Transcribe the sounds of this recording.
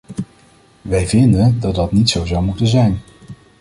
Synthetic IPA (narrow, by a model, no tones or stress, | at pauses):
ʋɛjvɪndəndɑt̚dɑtnitsowzɑwmutənzɛjn